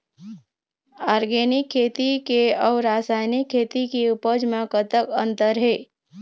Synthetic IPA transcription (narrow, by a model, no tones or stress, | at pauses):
aːɾɡenɪkʰːeːt̪ikeɔːɾaːsaːjnikʰːet̪ikiupəd͡ʒmẽkət̪əkənt̪əɾɦeː